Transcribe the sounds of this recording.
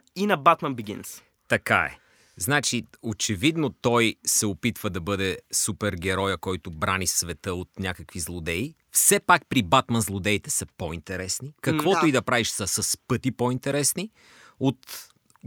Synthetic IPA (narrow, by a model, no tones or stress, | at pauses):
inɐbat̪mɐnbiɡʲḭns | t̪ɐka̰ɛ̰ | znat͡ʃiot͡ʃɛvid̪not̪ɔjsɛopit̪vəd̪ɐbɤd̪ɛsupɛɾɡ̟ɛɾɔjəkɔjt̪ʊbɾanisvɛt̪əot̪nʲakəkvizlˠod̪ɛi | fsɛpak̚pɾibat̪mɐnzlˠod̪ɛit̪ɛsɐpoint̪ɛɾɛsnikɐkvɔt̪ʊid̪ɐpɾaviʃsəsəspɤt̪ipoint̪ɛɾɛsni | ot̪